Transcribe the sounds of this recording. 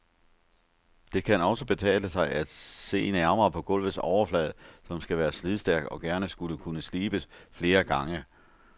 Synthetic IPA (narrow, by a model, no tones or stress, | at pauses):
d̥e̝kʰænɒ̽səb̥e̝t͡sʰɛ̰ːləsɑ̈ɪʔæd̥se̝̰ːnæɐmɐːpʰɒ̽ɡ̥ɔ̽l̰ʋð̩ˠsɒʊɐflɛːðˠsɒ̽msɡ̥æʋæːɐslið̞ˠsd̥æɐɡ̥ɒ̽ɡ̥æɐnəsɡ̥uləkʰunəsliːb̥əsfle̝ːɐɡ̥ɑ̈ŋə